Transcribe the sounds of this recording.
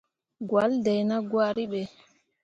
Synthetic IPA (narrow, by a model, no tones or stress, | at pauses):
ɡwaldɛjnaɡwaɾiɓɛ